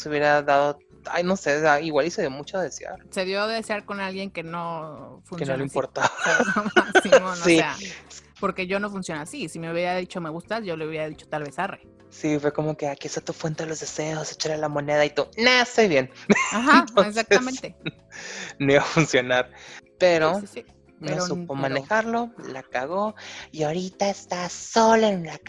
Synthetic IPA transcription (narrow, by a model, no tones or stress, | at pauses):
suβjeɾaðaðo | a̰jno̞sesaiɣwalise̞ðjomut͡ʃoðeðesja̰ɾse̞ðjo̞ðeðesjaɾko̞nalɣje̞ŋke̞no̞funskensnoleimpoɾt̪aβamaksimonosea | po̞ɾke̞ʝo̞no̞funsjo̞nasisimeuβjeɾaðit͡ʃo̞meɣust̪asʝo̞louβjeɾaðit͡ʃot̪alβe̞sarḛ | sifweko̞mo̞keakiesat̪ufwe̞nt̪eðelo̞zðeseoset͡ʃaɾalamo̞ne̞ðait̪onaest̪ojβjenaxaeks̬ak̚tamẽnt̪e̞ | noiβafunsjo̞naɾpeɾosisi | meeɾssupomãnnexaɾlo̞lakaɣoiaoɾit̪aest̪aso̞laennak